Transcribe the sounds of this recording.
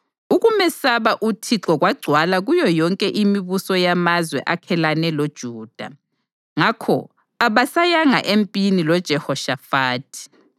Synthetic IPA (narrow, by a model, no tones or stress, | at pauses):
uɣumɛsaβaʔutʰiǁɔɣwaɡ͡ǀʱwalaɣujɔjɔŋkʼɛʔimiβusɔjamazwɛ̰ʔakʰɛlanɛlod̥ʒ̥ʱuːd̥ʱa̰ | ŋakʰɔ̰ | aβasajaŋa̰ʔempʼinilɔd̥ʒ̥ʱɛhɔʃafaːtʰi̥